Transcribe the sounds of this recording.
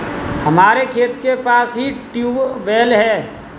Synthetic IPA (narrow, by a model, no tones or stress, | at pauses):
hɐmaːɾekʰeːt̪kepaːsɦiʈjuːʋʋeːlɦɛː